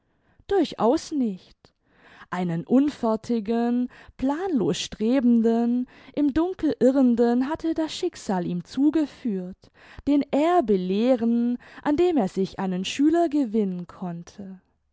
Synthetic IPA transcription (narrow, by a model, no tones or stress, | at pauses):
d̥ʊɐçʔa̰ʊsnɪçt | ʔaɪnənʔʊnfɛɐtʰɪɡənpl̥aːnloːsʃtʁ̥eːbn̩dən | ʔɪmdʊŋkl̩ʔɪʁəndənɦatʰədasʃɪkz̥aːliːmt͡suːɡəfyːɐt | d̥eːnʔeːɐbəleːʁənʔandeːmeːɐzɪçʔa̰ɪnənʃyːlɐɡəvɪnənkʰɔntʰə